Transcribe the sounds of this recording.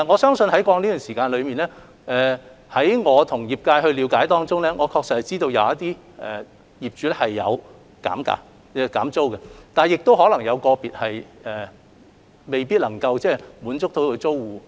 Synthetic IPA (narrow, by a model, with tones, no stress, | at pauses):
ŋɔː˨˧sœː˥ŋsɵ˧nhɐ˨˥jkɔː˧ŋniː˥yː˨˩nsiː˨˩kaː˧nlɵ˨˧ɥmiː˨nlɛː˥ | ʔɛː˨hɐ˨˥jŋɔː˨˧t̪ʰʊ˨˩ŋjiː˨p̚kaː˧jhɵ˧ɥliː˨˧wkaː˨˥jt̪ɔː˥ŋt͡sʊ˥ŋlɛː˥ŋɔː˨˧kʰɔː˧ksɐ˥t̚hɐ˨jt͡siː˥t̪o˧wjɐ˨˧wɐ˥t̚t̪iː˥ | ɛ˨ | jiː˨˩p̚t͡ʃyː˨˧lɛ˥hɐ˨jːɐ̰˨˧w | ka̰ː˨˥mka̰ː˨˥ | ɛ˧˩kaː˨˥mt͡so˥wkɛ˧t̪aː˨˩njɪ˨k̚t̪o˥wɦɔː˨˥lɐ˨˩ŋjɐ˨˧wkɔː˧piː˨t̚hɐ˨jɛː˨˩ | me˨jpiː˥t̚lɐ˨˩ŋkɐ˧wt͡sɛː˥˩muː˨˥nt͡sʊ˥k̚t̪ʰo˧˥kɵ˧t͡so˥wːuː˨